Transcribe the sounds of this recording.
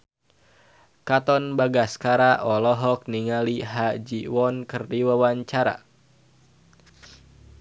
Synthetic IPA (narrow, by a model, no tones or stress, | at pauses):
kat̪ɔnbaɡaskaɾaʔɔlɔɦɔk̚niŋaliɦad͡ʒiwɔnkɨrdiwawaɲt͡ʃaɾa̰